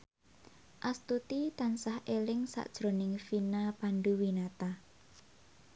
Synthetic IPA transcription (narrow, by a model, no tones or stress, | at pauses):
ʔast̪ut̪it̪ansahʔelɪŋsa̰ʔd̥ʒ̥ɾonɪŋfinapanɖuwinat̪a